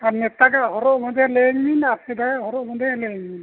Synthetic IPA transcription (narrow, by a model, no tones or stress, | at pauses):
anɛt̪aɡaʔhɔɾɔʔmɔd̪ɛleŋminasidajhɔɾɔʔmɔd̪ɛleŋmin